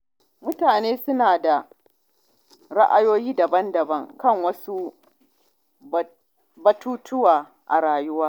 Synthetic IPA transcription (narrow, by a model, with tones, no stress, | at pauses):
mʊ˦taː˨neː˦sʊ˦naː˨da˨ | ɽa˦ʔa˦joː˦jiː˦dɐ˨bɐ˦ndɐ˨bɐ˦ŋkɐ˦˨ŋwɐ˦su˦ | bɐ˦tuː˦tʊ˦waː˨ | ʔa̰˨ɽaː˨jʊ˦waː˦